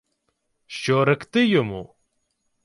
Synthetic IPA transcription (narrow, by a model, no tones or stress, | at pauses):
ɕoːɾɐkt̪ejomo̰